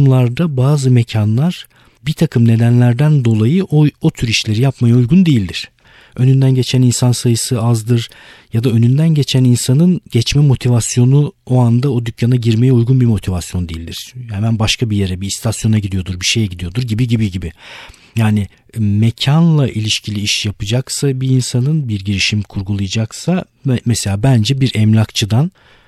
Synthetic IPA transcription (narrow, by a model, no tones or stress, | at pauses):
mlˠaɾd̪abaːzɯmecʰanlˠaɾ̥ | bit̪ʰakʰɯmne̞d̪ænlʲæɾd̪ænd̪o̞lˠajɯʔoot̪ʰyɾiʃlʲe̞ɾijapmajaujɡund̪e̞jilʲd̪iɾ̥ | ø̞nynd̪ænɟe̞t͡ʃʰæninsansajɯsɯazd̪ɯɾjad̪aø̞nynd̪ænɟe̞t͡ʃʰæninsanɯnɟɛt͡ʃmɛmo̞t̪ʰivasjo̞nuo̞and̪ao̞d̪ycʰːanaɟiɾme̞jɛujɡunbimo̞t̪ʰivasjo̞nd̪ejilʲd̪iɾ̥hɛmænbaʃkʰabije̞ɾɛbist̪ʰasjo̞naɟid̪ijo̞d̪uɾbiʃe̞jɛɟid̪ijo̞d̪uɾɟibiɟibiɟibɪ | jaːnɪ | mecʰanlˠaʔilʲiʃcʰilʲiiʃjapʰɯd͡ʒaksabiːnsanɯnbiɾɟiɾiʃimkʰuɾɡulˠɯjd͡ʒaksa | mɛse̞lʲaːbænd͡ʒɛbiɾʔɛmlʲakt͡ʃʰɯd̪an